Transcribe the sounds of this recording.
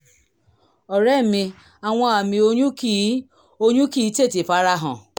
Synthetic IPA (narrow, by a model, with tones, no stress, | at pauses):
ɔ˨ɾɛ˦˨mĩ˧ | a˨w̃ɔ̃˧a˨mĩ˧o˧˦ɲũ˦i˦ | o˦ɲũ˦ki˦˨˦te˦˨ti˨fa˨˦ɾa˧ɦɔ̰̃˨